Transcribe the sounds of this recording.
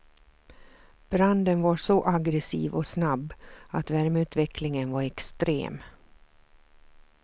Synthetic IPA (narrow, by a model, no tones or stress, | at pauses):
b̥ɾand̪ənvaʂɔʔaɡɾɛsḭːvɔsnabːat̪væɾmʉ̟ːt̪vɛkʰlɪŋənvaɾɛkst̪ɾḛːm